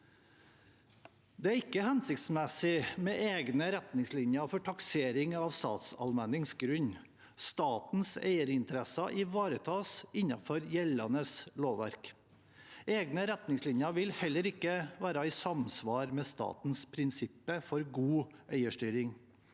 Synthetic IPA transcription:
d̪ɛæɾɪkːəhɛnsɪkt̪smɛsɪmeʔeːɡnəɾɛt̪nɪŋslɪɲjəfɔʈʰɑkseːɾɪŋɑʋst̪ɑ̰ːt̪sɑ̰lmɛnɪŋsɡɾʉɲ | st̪ɑːt̪n̩sḛɪəɾɪnt̪əɾɛsɑʔɪʋɑːɾət̪ʰɑːsɪɲɑfɔɾjɛlɑnəsloːʋʋæ̰ɾk | eːɡnəɾɛt̪nɪŋslɪɲjəʋɪlhɛlːəɾɪkːəʋæːɾɑɛɪsɑmsʋɑːɾmɛːst̪ɑ̰ːt̪n̩spʰɾɪnsɪpːəfɔɾɡuːʔeɪəʂʈyːɾɪŋ

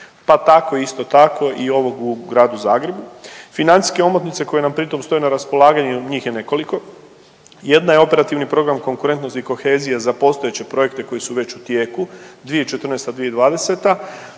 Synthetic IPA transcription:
pat̪ako̞iist̪o̞t̪akʰo̞ʔio̞ʋo̞ɡuɡɾaːd̪uzaːɡɾe̞bufinant̪i̥skeo̞mot̪nit̪se̞ko̞je̞nampɾit̪o̞mst̪o̞jenaɾaspo̞lˠaːɡaɲuɲiːxje̞ne̞ko̞liko̞ | je̞d̪najeo̞pe̞ɾat̪iʋnipɾo̞ɡɾamko̞ŋkuɾe̞nt̪no̞st̪iko̞xe̞ːzijazapo̞st̪o̞jet͡ɕe̞pɾo̞je̞kt̪e̞ko̞jisuʋe̞t͡ɕut̪je̞ːkud̪ʋijeit͡ʃe̞t̪ɾr̩nest̪ad̪ʋijed̪ʋaːd̪e̞se̞t̪a

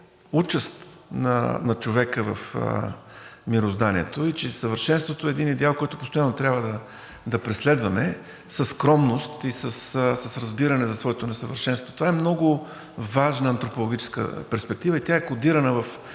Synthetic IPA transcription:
ut͡ʃəst̪nɐ̰nɐt͡ʃovɛkəvəfə̰ | miɾozd̪aniɛt̪oit͡ʃɛsəvəɾʃɛnst̪vot̪oɛːd̪inid̪ɛalˠkɔjt̪ʊpost̪ojanːot̪ɾʲjabvəd̪ɐ | d̪ɐpɾɛslɛd̪vɐmɛ | səsːkɾɔmnost̪isəssɐsɾɐzbiɾɐnɛzɐsvɔɛt̪onɛsəvəɾʃɛnst̪vot̪ovaɛmnɔɡʊ | vaʒnəːnt̪ɾopolˠoɡit͡ʃɛ̥skə̰pɛɾspɛk̚t̪ivəit̪ʲjaɛkʊd̪iɾənəvɐf

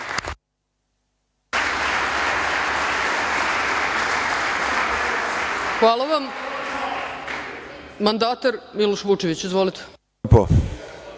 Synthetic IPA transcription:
xʋaːlˠaʋam | mand̪aːt̪aɾmiloʃʋut͡ʃeʋit͡ɕizʋoːlit̪e̥ | po̰

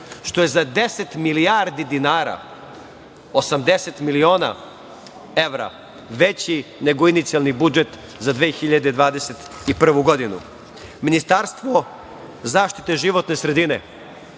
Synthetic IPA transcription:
ʃt̪o̞jezad̪e̞set̪milijaːɾd̪id̪inaːɾa̰ | osamd̪e̞set̪milio̞ːna̰ | e̞ʋɾa̰ | ʋet͡ɕine̞ɡoinit̪sialˠnibud͡ʒet̪ | zad̪ʋeːxiʎad̪ed̪ʋaːd̪eset̪ | ipr̩ʋuɡo̞d̪inṵ | minist̪aɾst̪ʋo | zaːʃt̪i̥t̪eʒiʋo̞t̪ne̞sɾed̪ine

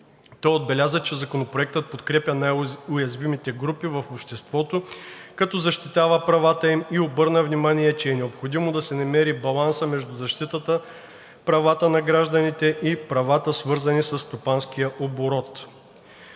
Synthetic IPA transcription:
t̪ɔjod̪̚bɛlʲazət͡ʃɛzɐkonopɾoɛk̚t̪ət̪̚pot̪kɾɛpʲɐnajʊjɐzvimit̪ɛɡɾupivɐfopʃt̪ɛst̪vɔt̪okɐt̪ɔzɐʃt̪it̪avəpɾɐvat̪əimiobɤɾnəvnimaniɛt͡ʃɛɛnɛopxod̪imod̪ɐsɛnɐmɛɾibɐlˠansəmɛʒd̪ʊzɐʃt̪it̪ət̪ə | pɾɐvat̪ənɐɡɾaʒd̪ɐnit̪ɛʔipɾɐvat̪əsvɤɾzɐnisəsst̪opansk̟ijəʔoboɾɔt̪

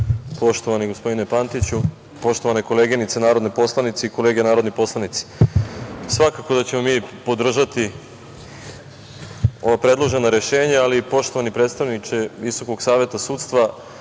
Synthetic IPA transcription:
po̞ʃt̪o̞ʋaniɡo̞spo̞d̪inepant̪it͡ɕu | po̞ʃt̪oaneko̞le̞ːɡenit̪senaːɾod̪nepo̞slˠanit̪seiko̞le̞ːɡe̞naːɾod̪nipo̞slˠanit̪si̥ | sʋakako̞d̪at͡ɕe̞momiːpo̞d̪r̩ʒat̪i | o̞ʋapɾe̞d̪lˠo̞ʒe̞naɾe̞ʃe̞ːɲaalipo̞ʃt̪o̞ʋanipɾeːt̪st̪aʋnit͡ʃeʋiso̞koɡsaːʋje̞t̪asuːt̪st̪ʋa

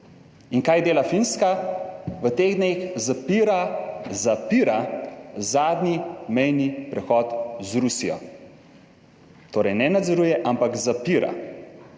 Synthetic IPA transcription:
iŋkajd̪eːlafinskaʋət̪eːɣd̪nexzapiɾazapiːɾazaːd̪nimɛjnipɾɛxɔːt̪zɾusijɔ̰ | t̪oːɾɛjnɛnad̪zɛɾuːjɛʔampakzapiːɾa̰

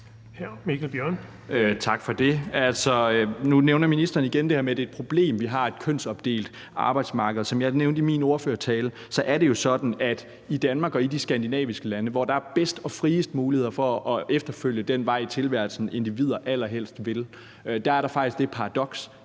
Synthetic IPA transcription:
hɛmikʰælb̥jœɐ̰n | øt͡sʰɑ̈ɡ̥fɒd̥e̝ælsɒ̽ønuneʊnɐminisd̥ɐːniɡ̥end̥e̝hæɐmeæd̥e̝ːd̥̚pʰʁo̝b̥le̝̰ːmʋiɦɑ̈e̝d̥kʰøn̰sɒ̽b̥d̥e̝̰ːld̥ | ʔɑ̈ːb̥ɑ̈ɪd̥smɑ̈ːɡ̥əð̞̩ˠsɒ̽mjɑ̈ɪneʊnd̥imino̝ɐføːɐt͡sʰɛːlə | sɒ̽ʔæɐɾe̝jo̝sɒ̽d̥n̩æd̥ | id̥ænmɑ̈ːɡ̥ɒ̽id̥isɡ̥ænd̥inɛ̰ːʋisɡ̥əlænəʋɒd̥ɑ̈æɐb̥esd̥ɒ̽fʁiːəsd̥əmuːlihe̝ðˠɐfɒ̽ːefd̥ɐføl̰jəd̥en̰ʋɑ̈ɪ̰t͡sʰe̝lʋæɐlsn̩e̝nd̥iʋið̰ˠɐʔæl̰ɐɦel̰sd̥ʋe̝l | ød̥ææɐɾɑ̈fɑ̈ɡ̥d̥isɡ̥d̥e̝pʰɑ̈ʁɑ̈d̥ɒ̽ɡ̥s

